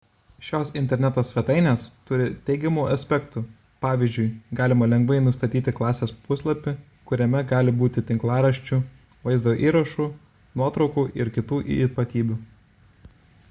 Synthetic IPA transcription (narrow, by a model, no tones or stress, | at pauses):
ʃʲoːsɪnʲt̪ʲɛɾʲnʲɛt̪oːsʲʋʲɛt̪ɐɪnʲeːst̪ʊɾʲɪt̪ʲɛɪɡʲɛmuːʔɐsʲpʲɛkt̪u | pɑːʋʲɪzʲd͡ʒʊɪɡɑːlʲɪmɐlʲɛŋɡʋɐɪnʊst̪ɐt̪ʲiːt̪ʲɪklˠɑːsʲeːspʊslˠɐpʲɪ | kʊɾʲɛmʲɛɡɑːlʲɪbuːt̪ʲɪt̪ʲɪŋklˠɑːɾɐʃʲt͡ʃʲʊ | ʋɐɪzd̪oːʔiːɾɐʃuː | nuɔt̪ɾɒʊkuːʔɪɾkʲɪt̪uːʔpɐt̪ʲiːbʲʊ